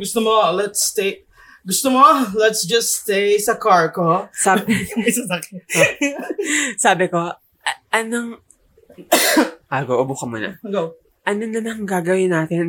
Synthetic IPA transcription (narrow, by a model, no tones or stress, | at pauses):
ɡʊst̪omolɛt̪st̪e | ɡʊst̪omolɛt̪sd͡ʒɐst̪ejsɐkaɹkosaːbsɐ | saːbɪko̞ | ʔʔɐnoŋ | ʔaɡoʔobukɐmonɐ̰ɡo | ʔɐnonɐnɐŋɡaːɡɐwɪnːaːt̪ɪn